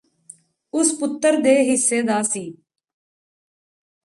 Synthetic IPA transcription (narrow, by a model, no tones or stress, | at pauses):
ʊspʊt̪ːəɾd̪eːɦɪsːeːd̪aːsiː